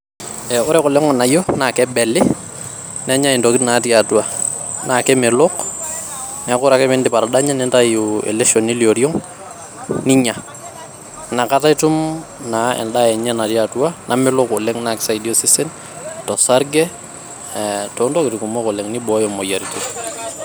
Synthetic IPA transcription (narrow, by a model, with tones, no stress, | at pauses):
ɛ˨ʊ˦ɾɛ˦kɔ˨lɛ˦ŋɔ˨na˨jɔ˦na˨kɛ˦bɛ˨lɪ˦ | nɛ˦ɲa˦i˨ndɔkɪtna˨˦ti˦a˨tua˨ | na˨kɛ˦mɛ˨lɔk | nɛ˦kʊ˦ɾa˨kɛ˦mɪ˦ndɪ˦pa˨ɾada˦ɲɛ˦nɛ˦nta˦juɛ̰˨lɛʃɔ˨ni˦lio˨ɾjɔ˦ŋ | ni˦ɲa˨ | na˨ka˦ta˦ɪtʊ˦mnaɛ̰˨nda˦ɛ˨ɲɛ˦na˨tjatua˦nʔa˨mɪ˦lɔ˦kʊ˨lɛ˦ŋna˨kɪ̥˦sa˨idi˦o˦sɪ˦sɪ˦n | tɔ˨sa˦ɾɡɛ˦ | tɔndɔ˦kɪ˨tku˨mɔ˦kɔ˨lɛ˨ŋnɪ˦bɔ˦jɔmɔ˨ja˨ɾitu